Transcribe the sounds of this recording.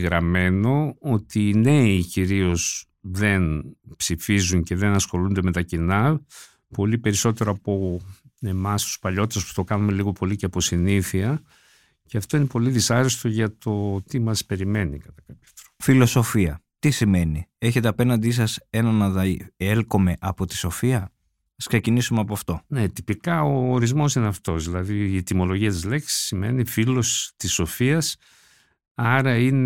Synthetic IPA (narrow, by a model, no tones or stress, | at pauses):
ɣɾɐme̞no̞ot̪iːne̞iciɾio̞s | ðe̞npsifizuɲce̞ðe̞nɐsxo̞lund̪e̞me̞t̪ɐcinɐ | po̞lipe̞ɾiso̞t̪e̞ɾoɐpo̞e̞mɐst̪u̥spɐʎo̞t̪it̪espu̥t̪o̞kɐnume̞liɣo̞po̞liceɐpo̞siniθiɐ | ceɐft̪o̞ine̞po̞liðisɐɾest̪o̞ʝɐt̪o̞t̪imɐspe̞ɾime̞nḭkɐt̪ɐkɐpço̥t̪ɾofilo̞so̞fiɐ̰ | t̪isime̞nie̞çe̞t̪̬e̞ɐpe̞nɐnd̪is̬ɐse̞nɐnɐðɐelko̞me̞ʔɐpo̞t̪i̥so̞fiɐ | ɐsksecinisumeɐpoɐft̪o̞net̪ipikɐoːɾizmo̞sineɐft̪o̞zðilɐðiːt̪imo̞lo̞ʝiɐt̪izle̞ksi̥sime̞̰nifilost̪iso̞fiɐs | ɐɾɐine